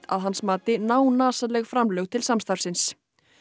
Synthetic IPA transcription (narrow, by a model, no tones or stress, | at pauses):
a̰ðɦansmaːt̪ɪnaːwnaːsalɛɣfɾamlœɣt̪ʰɪlsamst̪aɾfsɪns